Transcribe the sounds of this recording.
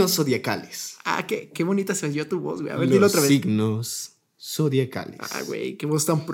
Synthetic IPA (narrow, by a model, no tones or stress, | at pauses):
osoðjaka̰lesa̰kekeβo̞nit̪aselezjoat̪uβo̰zɣwʷeja̰ed̪ilooɾaβesiɡnosː | oðjaka̰lea̰wḛjkeβost̪ampɾ